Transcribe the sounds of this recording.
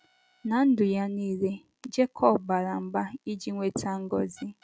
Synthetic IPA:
na˨n̩˦dʊ˨ja˦ni˦ɾe˦ | d͡ʒe˦kʰɔ˦˨bba˨ɾa˨m̩˨ba˦i˦d͡ʒi˦ŋʷe˦tʰa˦ŋ̩˦ɡɔ˨zɪ˦

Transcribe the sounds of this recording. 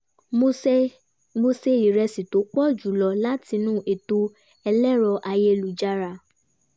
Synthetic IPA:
mo˧se˧ɾi˨ɾɛ˧si˨to˨˦k͡pɔ˦˨d͡ʒu˨˦lɔ˨˧la˦ti˧nũː˦ʔe˨to˧ | ɛ˧lɛ˦ɾɔ˧ʔa˧je˧lu˨d͡ʒa˧ɾa˨

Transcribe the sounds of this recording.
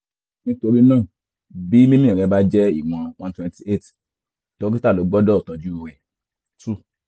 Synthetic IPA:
nĩ˦to˧ɾi˦nãː˦˨ | bi˨˦mĩ˦mĩ˦˨ɾɛ˧˦ba˦d͡ʒɛ˦ḭ˦˨w̃ã˧wã˦twɛ̃˧nti˨e˦˨t | to˨˦ki˦ta˦˨lo˨˦ɡ͡bɔ˦dɔ˦˨tã˨d͡ʒu˨˦u˨ɾɛ˨ | tu˦

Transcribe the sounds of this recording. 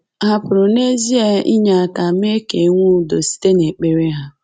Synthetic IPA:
a˦pʊ˨ɾʊ˨ne˦zi˦e˦ḭ˦ɲa˨ka˨m˦e˦ke˨˦ŋʷu˦do˨si̥˦te˦ne˨k͡pe˨ɾe˦ɦa˦

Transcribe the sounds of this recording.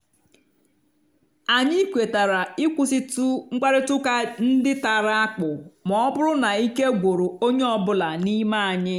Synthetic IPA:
a˨ɲɪ˦kʷe˨ta˨ɾa˨i˦kʷu˦si˦tu˦ŋ̩˦k͡pa˦ɾɪ˦tʊ˦ka˦n̩˦dɪ˦ta˨ɾa˦a˦k͡pʊ˨mɔ˨˦ɔ˦bʊ˦ɾʊ˦na˨i˦ke˦ɡʷo˨ɾo˨o˦ɲe˦ɔ˦bʊ˦la˨ni˦ma˦a˨ɲɪ˦

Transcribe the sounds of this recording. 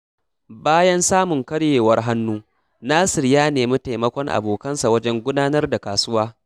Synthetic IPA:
baː˦jɐ˦nsaː˦mʊ˨ŋkɐ˦ɽjeː˨wɐ˦rɦa˦nːuː˦ | naː˦sɪ˨rjaː˦neː˨mi˦ta˨jmɐ˦kʷɔ˦ŋʔa̰˨boː˨kɐ˦nsa˨wɐ˦d͡ʒɛ˦ŋɡʷʊ˦daː˦nɐ˦rda˨kaː˨sʊ˦waː˦

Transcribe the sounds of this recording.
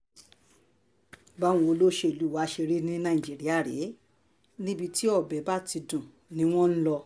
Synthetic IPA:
ba˦w̃ũ˨˧o˧lo˦ʃe˧˦i˨lu˨˦˨wa˨˦˧ʃe˧ɾi˦nĩ˦nã˧˨ĩ˨d͡ʒi˨˦ɾi˦a˦˨ɾḛ˨˦ | nĩ˦bi˧ti˦ɔ˦˨bɛ˨˦ba˦˨ti˧dũ˨ | nĩ˧˦w̃ɔ̃˦n̩˦lɔ˧

